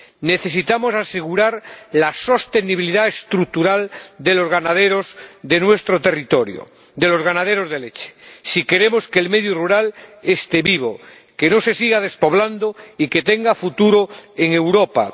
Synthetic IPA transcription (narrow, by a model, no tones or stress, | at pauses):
ne̞θe̞s̬it̪amo̞sase̞ɣ̞uɾaɾlaso̞st̪e̞niβiliðaest̪ɾuk̚t̪uɾald̪e̞lo̞zɣanaðeɾozd̪e̞nwe̞st̪ɾot̪e̞rit̪oɾjo̰ | d̪e̞lo̞zɣanaðeɾo̞zðe̞let͡ʃe̥sike̞ɾe̞mo̞skeːlmeðjoruɾalest̪e̞βiβ̞o | ke̞no̞se̞siɣað̞e̞spo̞β̞land̪oike̞t̪e̞ŋɡafut̪uɾoeŋe̞wɾopa̰